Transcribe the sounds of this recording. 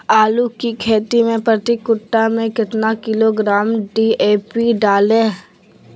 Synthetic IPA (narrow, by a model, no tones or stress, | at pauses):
aːlukikʰeːt̪imẽpɾɐt̪ikʊʈːamẽkɪt̪nakɪloɡɾaːmɖiːeːpiɖaːlẽː